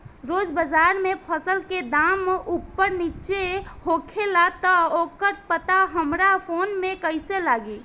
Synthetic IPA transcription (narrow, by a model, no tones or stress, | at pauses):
ɾoːd͡ʒbəd͡ʒaɾmepʰəsəlked̪amʔupːəɾnit͡ʃehokʰelat̪əokəɾpət̪aɦəmɾapʰonmekəɪselaːɡe